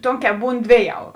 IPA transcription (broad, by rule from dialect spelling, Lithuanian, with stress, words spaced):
ˈtoːŋʲˌkʲɛː ˈbuːn ˈdʲʋʲeːˌjɛʊ